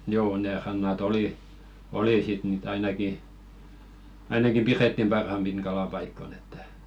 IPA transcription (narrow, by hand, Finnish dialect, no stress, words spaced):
joː ne rɑnːɑt oli oli sit niˑt ɑinɑki ɑinɑki piretːim pɑrhɑmpin kɑlɑpɑikːon etːæ̥